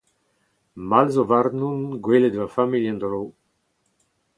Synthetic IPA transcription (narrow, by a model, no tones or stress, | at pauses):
malzovaɾnunɡweled̪vafamiljãnd̪ɾow